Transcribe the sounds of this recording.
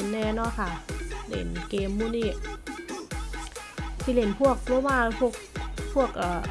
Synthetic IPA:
nːɛː˧˩nɔ˧˥˩kʰa˥˩lḛ˨˩˦nkeː˧mːuː˧˩˨niː˥˩ | t̪ʰiː˧˩le˧˩˦npʰu˥˩ək̚loː˧˥˦maː˧pʰu˥˩ək̚pʰu˥˩ək̚ʔɤː˨˩

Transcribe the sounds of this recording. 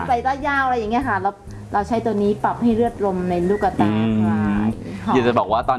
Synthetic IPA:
pa˧˩jt̪aː˥˩jaː˥˩wa˧ɾa˧ja˨˩ŋi˦˥ə˨kʰa˥˩lɛː˦˥w | ɾa˧wt͡ɕʰa˦˥jt̪u˧nːiː˦˥pa˨˩p̚ha˥˩jɾɯ˥˩ət̪̚ɾo˧mna˧jluː˥˩ka˧˩t̪aː˧aː˥˩jkʰja˨˩t͡ɕa˨˩bɔː˨˩k̚waː˥˩t̪ɔː˧

